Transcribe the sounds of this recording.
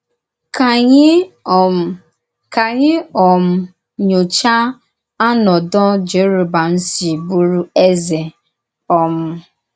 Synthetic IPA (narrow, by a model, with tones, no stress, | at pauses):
ka˨ɲɪ˦˨ | ka˨ɲɪ˦ɔ˨m̩˦ | ɲo˨t͡ʃa˦ | a˦nɔ˨dɔ˦d͡ʒe˨˦ɾu˨ba˨n̩˦si˨bu˦ɾu˦e˦ze˨ | ɔ˨m̩˦